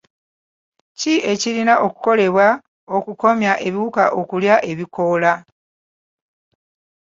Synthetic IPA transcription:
cie̞cilinaʔokuko̞le̞βwa | o̞kuko̞mjaʔe̞βiwukaʔo̞kuljaʔe̞βikʰo̞la

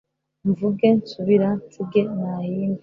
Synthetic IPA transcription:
ɱvuɡensuβiɾantuɡenahiːnɡ

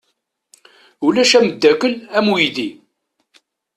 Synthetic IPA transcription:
ulæʃæməd̪ːækəlæmujði

